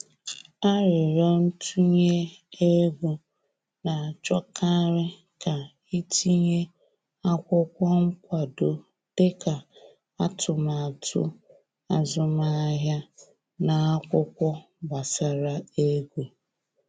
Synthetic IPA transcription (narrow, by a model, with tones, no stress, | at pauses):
a˦ɾɪ˨ɾɔ˦n̩˦tʰu˦ɲe˦e˦ɡʷu˦ | na˨a˨t͡ʃɔ˦ka˦ɾɪ˦ | ka˨ | i˦ti˦ɲe˦ | a˦kʷʊ˦kʷɔ˦ŋ̩˦kʷa˨do˨ | d̥e˦ka˨ | a˦tʰʊ˨ma˨a˨tʰʊ̰˦ | a˨zʊ˦ma˦ɦja˦ | na˨a˦kʷʊ˦kʷɔ˦ | ba˨sa˨ɾa˨e˦ɡʷu˨